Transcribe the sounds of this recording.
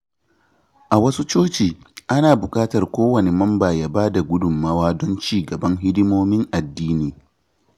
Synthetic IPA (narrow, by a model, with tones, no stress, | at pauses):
ʔa˨wɐ˦su˦t͡ʃoː˦t͡ʃiː˨ | ʔa˦naː˨bʊ˨kʼaː˦tɐ˨rkʷoː˦wɐ˨ne˨mɐ˦mbaː˨jaː˦baː˦da˨ɡʷʊ˦dʊ˨mːa˦waː˦dɔ˦nt͡ʃiː˦˨ɡɐ˨bɐ˦ŋɦɪ˦dɪ˦moː˦mɪ˦ŋʔa˨dːiː˦niː˨